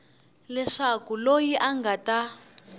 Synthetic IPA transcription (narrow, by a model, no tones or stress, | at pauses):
lɛʂakulojiʔaŋɡata